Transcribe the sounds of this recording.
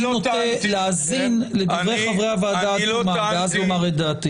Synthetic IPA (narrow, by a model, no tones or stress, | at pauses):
loott̪eleazinled̪ivʁejχavʁeavaːd̪aːumaveazomaʁed̪aːt̪i